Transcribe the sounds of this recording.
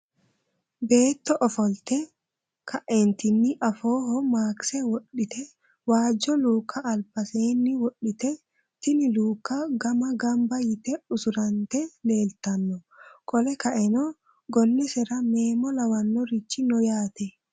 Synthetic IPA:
beːt̪ːɔʔɔfɔlt̪ɛ | kʰɐʔɛnt̪ɪnːɪʔɐfoːhɔmaːksɛwɔɗːɪt̪ɛ | waːd͡ʒɔluːkʰːɐʔːlbɐseːnːɪwɔɗːɪt̪ɛ | t̪ɪnɪluːkːaɡɐmɐɡɐmbɐjɪt̪ɛʊsʊɾɐnt̪ɛle̞ːlt̪ɐnːɔkʼɔlɛkɐʔɛnɔ | ɡɔnːɛsɛɾɐmeːmɔlɐwɐnːɔɾɪt͡ʃːɪnɔjaːt̪ɛ

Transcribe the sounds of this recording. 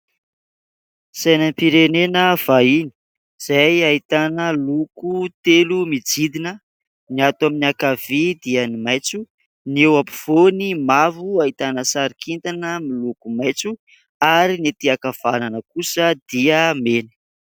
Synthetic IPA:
sajnəmpiɾenenəv̥aini̥ | z̥ajait̪anəlukut̪elumid͡zid̪inə | niat̪aminiakavid̪iənimajt͡su | niewapu̥v̥onimavuait̪anəsaɾikʰint̪anəmilukumajt͡su | aɾinet̪iakav̥ananəkusəd̪iəmeni̥

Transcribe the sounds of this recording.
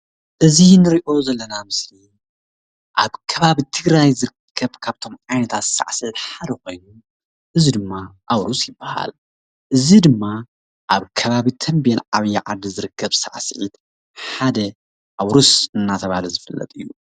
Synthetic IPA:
ʔɨzinɨɾiʔo̞zɐlːɐnamɨsli | ʔaβkʰɐβaβit̪ʰɨɡɾajzɨɾɨkʰːɐβkʰaβt̪ʰo̞mʕajnɐt̪ʰat̪sa̰ʕsɨʕit̪ħad̪ɐkʰo̞jnu | ʔɨzid̪ɨmːaʔawɾusjɪbːaha̰l | ʔɨzid̪ɨmːa | ʔaβkʰɐβaβit̪ʰɐmbenʕaβɐjːaʕad̪izɨɾɨkːɐβsa̰ʕsɨʕḭt̪ | ħad̪ɐ | ʔawɾusɨnːat̪ʰɐβalɐzɨfɐlːɐ̰t̪ʼɨjːu

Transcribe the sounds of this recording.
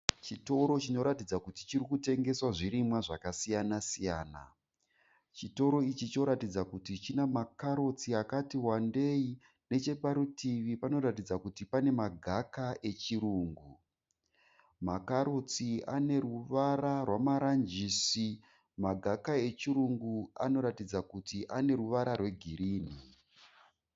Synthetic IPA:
t͡ʃito̞ɾo̞t͡ʃino̞ɾatid͡zakutit͡ʃirikute̞ŋɡe̞swaʐiɾimwaʐakasijanasija̰ːna̰ | t͡ʃito̞ɾo̞it͡ʃit͡ʃo̞ɾatid͡zakutit͡ʃinamakaɾot͡siakatiwande̞i | ne̞t͡ʃe̞paɾutiʋipano̞ɾat̬id͡zakutipane̞maɡʱakaʔe̞t͡ʃiɾuːŋɡu | makaɾot͡siane̞ɾuʋaɾarwamaɾand͡ʒiːsi | maɡʱakae̞t͡ʃiɾuŋɡua̰no̞ɾatid͡zakutiʔane̞ɾuʋaɾarwe̞ɡʱiriːni

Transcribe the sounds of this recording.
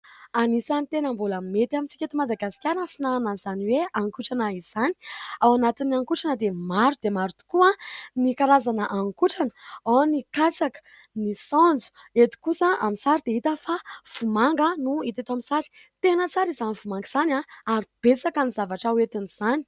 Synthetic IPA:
anisanit̪enəmbulamet̪iamit͡si̥kʲet̪imad̪aɡasi̥kʲaɾnəfinananzaniweaŋkuʈ͡ʂanaiz̥ani̥awanat̪inaŋkuʈ͡ʂanəd̪emaɾud̪̥emaɾut̪u̥kuanikaɾazanəʔaŋkuʈ͡ʂanə̥anikat͡sakə̥ | nisɔ̃nd͡zu̥ | et̪u̥kusəa̰misaɾid̪eɦit̪əfav̥umaŋɡənuit̪et̪amisaɾi̥ | t̪enət͡saɾizanivumaŋɡiz̥anaaɾib̥et͡sakanizavaʈ͡ʂawet̪iniz̥ani̥

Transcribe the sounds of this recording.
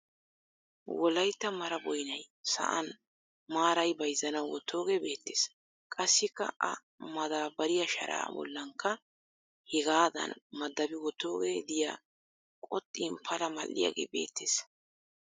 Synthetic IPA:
wɔlɐjt̪ːɐmɐɾɐbɔjnɐj | sɐ̰ʔɐ̰n | maːɾɐjbɐjzːɐnɐwwɔt̪ʰːo̞ːɡebe̞ːt̪ːeːs | kʼɐsːɪkːɐ̰ʔɐ̰ | mɐd̪aːbɐɾɪjɐʃɐ̰ɾa̰ːbɔ̰lːɐŋkːɐ | hɪɡaːd̪ɐ̰nmɐd̪ːɐbɪwɔt̪ːo̞ːɡeːd̪ɪja̰ | kʼɔt̪ʼːiːnpʰɐlɐmɐlːɪ̰ja̰ɡḛːbe̞̰ːt̪ːeːs

